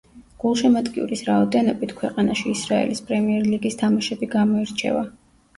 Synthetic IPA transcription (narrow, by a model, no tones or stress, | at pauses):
ɡ̥ulˠʃɛmat̪kʼiṵɾisɾaɔd̪ɛnɔbit̪ʰkʰwɛqʼanaʃiːsɾaɛ̰lispʼɾɛmiɛɾliɡist̪ʰamaʃɛbiɡamɔiɾt͡ʃʰɛ̰va